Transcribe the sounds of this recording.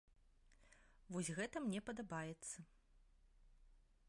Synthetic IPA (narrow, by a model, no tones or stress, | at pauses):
vɔsʲɣɛt̪ɐmnʲɛpɐd̪abajɛt̪sːɐ